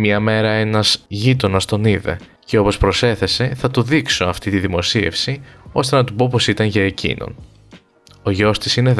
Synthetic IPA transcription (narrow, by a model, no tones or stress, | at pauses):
mɲɐme̞ɾɐe̞nɐz̥ʝit̪o̞nɐst̪o̞niðe̞̰ | ce̞o̞po̞spɾo̞se̞θe̞se̞θɐt̪uðikso̞ɐft̪it̪iðimo̞sie̞̰fsio̞st̪e̞nɐt̪upo̞po̞sit̪ɐnʝɐe̞cʰḭno̞̰n | o̞ʝo̞st̪isine̞ð